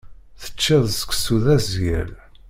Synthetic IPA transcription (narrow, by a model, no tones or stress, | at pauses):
θə̥t͡ʃːɪðˤsə̥ksuðæzjæ̰l